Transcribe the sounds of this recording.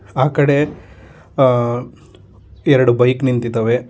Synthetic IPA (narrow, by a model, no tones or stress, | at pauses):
aːkɐɽe | ɛɾɐɽubɐjknint̪it̪ɐʋe